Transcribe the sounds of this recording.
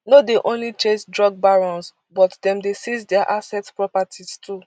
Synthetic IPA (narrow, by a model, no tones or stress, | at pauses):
nodeʔõnlit͡ʃẽsdɹɔɡ̚baɹɔ̃ns | bɔtdɛ̃mdesizdɛaʔasɛtspɹɔpatʰistʰu